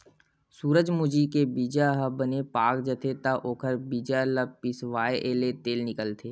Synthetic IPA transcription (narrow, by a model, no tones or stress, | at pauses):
suːɾəd͡ʒmʊd͡ʒikebiːd͡ʒaɦəbənepaːkd͡ʒət̪ʰet̪aʔoːkʰəɾbiːd͡ʒaləpɪsʋaːeʔeːlet̪eːlnɪkəlt̪ʰeː